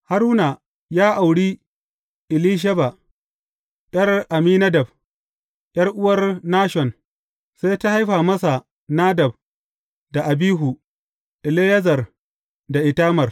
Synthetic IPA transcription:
ha˦ɾuː˦na˨ | jaː˦ʔa˨wɽiː˦ | ʔɪ˨liː˦ʃ̬ɐ˦ba˨ | ɗʲɐ˦rʔa˨miː˦nɐ˦dɐ˨b̚ | j̰ʲʼɐ˦rʔʊ˦wɐ˦rnaː˦ʃɔ˨n | sa˦jta˦ha˦jɸaː˨mɐ˦sa˨ | naː˦dɐ˨b̚ | da˨ʔa˨biː˦ɦu˨ | ʔɪ˨leː˦jɐ˦zɐ˨r | da˨ʔɪ˨taː˦mɐ˨r

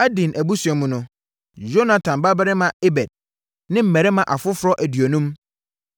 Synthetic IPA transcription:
a˦dĩ˨nʔæ˨bu˦su˨ɛ˨mʊ̃˨nʊ̃˦ | d͡ʒo˦na˨tʰã˨mba˦bɪ˦ɾɪ˦mã˨e˦bɛ˨d̥̚ | nɪ̃˦m̩˨mɛ˨ɾɪ˦mã˨ʔa˨fʊ˦fʊ˦ɾɔ˦ʔæ˨dɥo˨nũ˦m

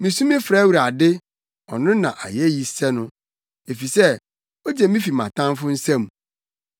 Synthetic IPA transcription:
mĩ˨sũ˦mĩ˦fɾaː˦wu˨ɾa˨dɪ˦ | ɔ̰˨nʊ̃˦nã˨ʔa̰˨jɛ˦ji˨sɛ˦nʊ̃˦ | e˨fi˨sɛ˦ | o˦d͡ʑe˨mĩ˦fi˨mã̰˨tʰã˦m˦fʊ˦n̩˦sɛ̃˦m˨

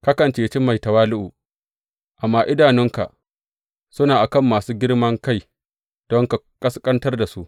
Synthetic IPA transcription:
ka˦kɐ˨nt͡ʃeː˨t͡ʃi˦ma˨jtɐ˨waː˦lʊ˦ʔu˨ | ʔa˨mːaː˦ʔɪ˦daː˨nɪ˦ŋka̰˨ʔ | sʊ˦naː˨ʔa˨kɐ˦˨mːaː˨suː˦ɡʲɪ˦ɽmɐ˦ŋka˦˨j | d̥ɔ˦ŋka˨kʼɐ˦skʼɐ˦ntɐ˦rda˨su˦ʔ

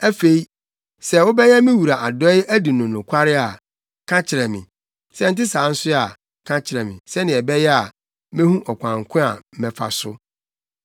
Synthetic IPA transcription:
æ˦fe˦i˦ | sɛ˨wʊ˦bɛ˦jɛ˦mɪ̃˦wu˨ɾa˨ʔa˨dɔ˦ɪ˦æ˦di˨nʊ̃˨nʊ̃˨kʷʰa˦ɾɪ˦a˨ | kʰã˦t͡ɕʰɪ˨ɾɛ˨mĩ˨ | sɛ˦n̩˦tɪ˦sãː˨˦n̩˦sʊ˦a˨ | kʰã˦t͡ɕʰɪ˨ɾɛ˨mɪ̰̃˨sɛ˦nɪ̃˨ɛ˨bɛ˦jɛ˦a˨ | mɛ̃˦hũ˦ʔɔ˨kʷã˨ŋkʰʊ̃˦a̰˨˦mɛ̃˨fa̰˨sʊ˦

